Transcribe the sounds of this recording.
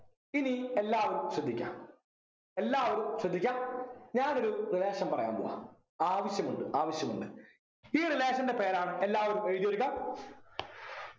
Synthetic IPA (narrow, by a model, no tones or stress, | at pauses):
inie̞lːaːʋɐɾumɕrɐd̪ʱːikʲːa̰ː | e̞lːaːʋɐɾumɕrɐd̪ʱːikʲːaːɲaːno̞ɾurileːɕɐmpɐrɐ̰ja̰ːmbo̰ːɣɐ̰ | aːʋɐɕjɐmuɳɖɨʔaːʋɐɕjɐmuɳɖɨ | iːrileːɕɐnde̞pe̞ːɾaːɳɨelːaːʋɐɾumeɻðjɐɾuɣɐ